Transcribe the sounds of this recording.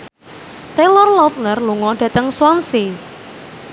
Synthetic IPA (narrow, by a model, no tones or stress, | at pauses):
t̪elɔrlɔt̪̚lərluŋɔɖ̥ä̤t̪əŋswanse